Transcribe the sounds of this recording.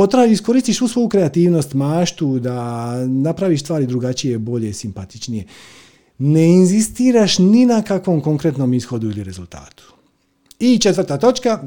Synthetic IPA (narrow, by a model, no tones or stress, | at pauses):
ot̪ɾaːuisko̞ɾist̪iʃsuːsʋo̞jukɾe̞at̪iːʋno̞st̪maːʃt̪ud̪anapɾaʋiʃst̪ʋaːɾid̪ɾuɡat͡ʃije̞bo̞ʎesimpat̪it͡ʃnije̞ | neinzist̪iːɾaʃninakakʋo̞mko̞ŋkɾet̪no̞misxo̞d̪uiliɾe̞zulˠt̪a̰ːt̪u̥ | it͡ʃe̞t̪ʋər̩ɾt̪aːt̪o̞t͡ʃka